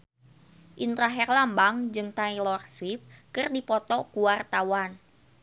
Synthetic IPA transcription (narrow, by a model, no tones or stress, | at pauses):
ʔint̪ɾaɦɛrlambaŋd͡ʒɨŋt̪ailɔrswip̚kɨrdipɔt̪ɔkuwart̪awan